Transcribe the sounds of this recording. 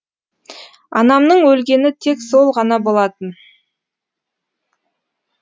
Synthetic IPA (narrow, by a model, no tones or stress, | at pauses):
ɑ̰nɑmnəɴwɵlɡʲe̞nɪt̪ʰe̞kso̞lˠʁɑnɑbo̞lˠɑt̪ən